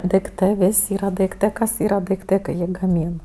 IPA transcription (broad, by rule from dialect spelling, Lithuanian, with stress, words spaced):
dɐɪkˈtɜ ˈʋʲɪsʲ ˈiːrɐ dɐɪkˈtɜ ˈkɐs iːrɐ dɐɪˈktɜ kɐɪ ˈjiː ɡɐˈmʲiːn